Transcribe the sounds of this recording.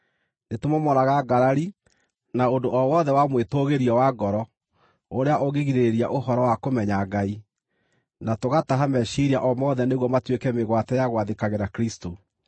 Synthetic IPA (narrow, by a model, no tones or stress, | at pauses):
netomomɔɾaɣaɡaɾaɾi | naondoʔɔwɔðɛwamwetoɣeɾiɔwaɡɔɾɔ | oɾeaʔoɣeɣiɾeɾeɾia̰ʔoɦɔɾɔwakomɛɲaɡai | natoɣataɦamɛʃiɾia̰ʔɔmɔðɛneɣwɔmatwekɛmeɣwatɛjaɣwaðekaɣeɾakɾisto